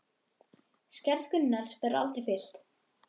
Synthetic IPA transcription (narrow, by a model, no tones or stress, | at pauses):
skcɛɾðkʏnnːaɾ̥spɛɾa̰lt̪ɾɪfɪl̥t̪